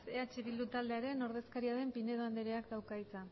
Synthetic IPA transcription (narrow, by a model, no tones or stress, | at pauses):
seat͡ʃe̞βild̪ut̪ald̪e̞aɾe̞no̞ɾð̞e̞skaɾiaðe̞mpine̞ðoand̪eɾeakd̪awkajt͡sa